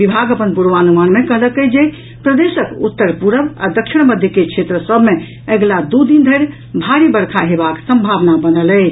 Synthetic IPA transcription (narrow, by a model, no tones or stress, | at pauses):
ʋibʱaɡəpənpuɾʋanumanmekəɦləkəd͡ʒe | pɾəd̪esəkut̪ːəɾpuɾəba̰d̪əkʃʰiɽ̃məd̪ʱjəkekʰt͡ʃʰet̪ɾəsəbʱme | əɡlad̪ud̪ind̪ʱəjɾ | bʱaɾibəɾkʰaɦebaksəmbʱaʋnabənəlɛ